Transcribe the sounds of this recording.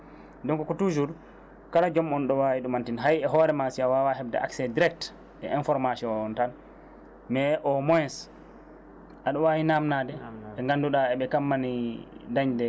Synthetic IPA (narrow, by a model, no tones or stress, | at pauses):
dɔŋkɔkɔtud͡ʒuɾ | kalad͡ʒɔmɔnɗɔwawiɗumantinɦajɛɦɔːɾɛmasiawawaɦɛbdɛ̰ʔa̰ksɛdiɾɛk̚t | ʔɛ̰ʔɛnfɔɾmasɔɔɔntan | mɛʔɔmɔjɛs | ʔaɗɔwawinamnadɛɛŋɡanduɗaɛɓɛkamːanidaɲdɛ